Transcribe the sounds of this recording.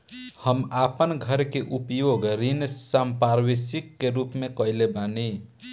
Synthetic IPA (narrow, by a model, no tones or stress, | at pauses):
həmapənɡʱəɾkeʔupjoɡɾinsampaɾwisikːeɾupmekəɪlebani